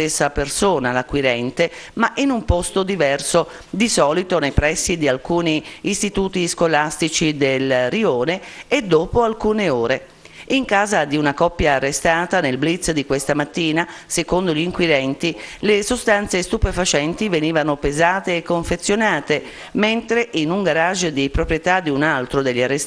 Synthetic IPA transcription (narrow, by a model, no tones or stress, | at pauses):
esːapersoːnalakwiɾɛnt̪emaʔinumpɔst̪od̪ivɛrso | d̪isɔːlit̪onejpɾɛsːid̪ialkuːniːst̪it̪uːt̪iskolast̪it͡ʃid̪elrioːneːd̪ːoːpoalkuːneoːɾe | iŋkaːzad̪iunakɔpːjaːrːest̪aːt̪anelblit̪sd̪ikwest̪amat̪ːiːnasekond̪oʎiŋkwid̪ɛnt̪ilesost̪ant̪sest̪upefat͡ʃɛnt̪iveniːvanopezaːt̪eːkːoɱfet̪sːjonaːt̪e | ment̪ɾeʔinuŋɡaɾaʒːd̪ipɾopɾjet̪ad̪iunalt̪ɾod̪eʎːiarːes